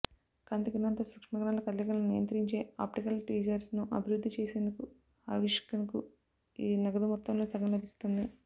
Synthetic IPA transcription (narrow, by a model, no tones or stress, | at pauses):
kɐnt̪iɡinɐnt̪ɐsukʂmɐɡɐɾɐːnlɐkɐd̪lɐɡɐlɐnunijɐnt̪ɾiɲt͡ʃe̞ːa̰ːp̚ʈikɐlʈiːd͡ʒɐɾsnuʔɐbʱiɾud̪ʱːit͡ʃeːse̞ːnd̪uku | ɐʋiʂkɐnku | iːnɐɡɐd̪umɔt̪ːɐmlo̞ːt̪ɐɡɐnlɐbʱist̪und̪i